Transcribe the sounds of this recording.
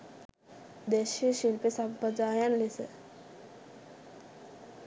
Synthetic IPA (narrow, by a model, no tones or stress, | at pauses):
d̪eɕiɕilpesampəd͡zajanlesə̰